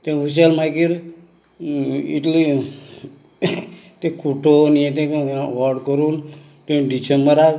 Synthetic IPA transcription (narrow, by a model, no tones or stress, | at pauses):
t̪ẽʋuɕ̬elmajkiɾ | iʈli | t̪ẽkʰuʈonjet̪̬ẽʋɔɾɖkəɾuːn | t̪ẽɖit͡ɕembəɾad͡z